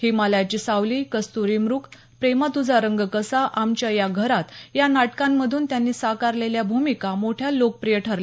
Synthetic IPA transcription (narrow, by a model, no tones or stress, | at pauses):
himaljat͡ɕiːsaʋlikəst̪uɾiːmɾuːk | pɾemat̪ud͡zʱaɾəŋɡkəsaʔamt͡ɕjajaɡʱəɾat̪janaʈkãmːəd̪ʱuːnt̪janːiːsakaɾleljabʱumikamoʈʰjalok̚pɾijəʈʰəɾle